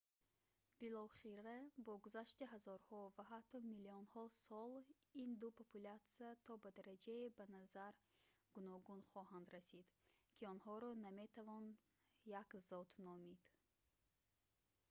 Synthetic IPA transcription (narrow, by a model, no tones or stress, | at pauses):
b̥ilɔχiɾabɔɡuzaʃt̪iɦazɔɾhɔvaɦat̪ʰːɔmiliɔnhɔsɔlind̪upʰopulat̪siat̪ʰɔbad̪aɾad͡ʒaibanazaɾɡ̥unɔɡunχɔɦand̪ɾasid̪kʲʰiɔnhɔɾɔname̞t̪ʰavɔn | jakzɔt̪ʰnɔmid̪̥